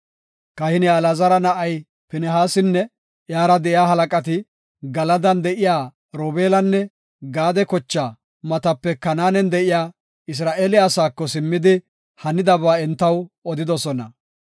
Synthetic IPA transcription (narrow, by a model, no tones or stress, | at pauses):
kɐhɪnɪalɐzɐɾɐnɐʔɐj | pɪnɛɦaːsɪnːɛ | jaːɾɐd̪ɛʔjaːɦɐlɐkʼɐt̪ɪ | ɡɐlɐd̪ɐnd̪ɛʔɪjaː | ɾoːbeːlɐnːɛ | ɡaːd̪ɛkɔt͡ʃːaː | mɐt̪ɐpːɛkɐnaːnɛnd̪ɛʔɪjaː | ɪs̬ɾaːʔeːlɪasaːkːɔsɪmːɪd̪ɪ | hɐnɪd̪ɐβaːɛnt̪ːɐwɔd̪ɪd̪ɔsɔnɐ